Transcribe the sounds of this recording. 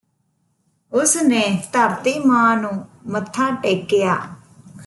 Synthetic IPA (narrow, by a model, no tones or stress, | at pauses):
ʊsnẽːt̪əɾt̪iːmãːnũːmət̪ʰːãːʈeːkːɪjaː